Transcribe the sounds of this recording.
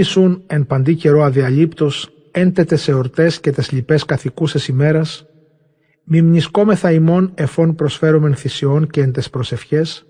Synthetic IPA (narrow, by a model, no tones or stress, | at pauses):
isune̞npɐnd̪ice̞ɾo̞ɐðiɐʎipt̪o̞s | e̞nt̪et̪ese̞oɾt̪e̞sce̞t̪ezʎipe̞skɐθikusesime̞ɾɐs | mimɲisko̞me̞θɐimo̞ne̞fo̞npɾo̞sfe̞ɾome̞nθisionceːnt̪espɾo̞se̞fçe̞s